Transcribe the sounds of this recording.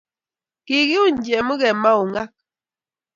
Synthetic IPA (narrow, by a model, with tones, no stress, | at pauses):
ki˨ɣi˦u˦n˨d͡ʒɛ˨mə˦ɣɛ˨ma˦u˨ŋa˦k̚